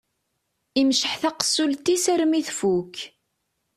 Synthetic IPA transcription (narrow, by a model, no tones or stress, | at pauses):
imʃəħθæqə̥sːult̪isæɾmiθfuk